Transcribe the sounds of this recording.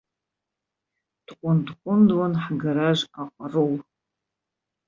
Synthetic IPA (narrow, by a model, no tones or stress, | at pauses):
d̥qʷʼʊndkʷʼʊmdwanħɡaɾaʒʷaqʷʼarow